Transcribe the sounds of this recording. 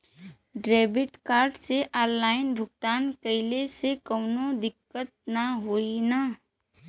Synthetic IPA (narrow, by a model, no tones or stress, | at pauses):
ɖɾeːbɪt̪kaːɾɖseʔaːɾlaːɪnbʱʊɡt̪aːnkəɪlesekəʊnod̪ɪkːət̪̚naɦoːina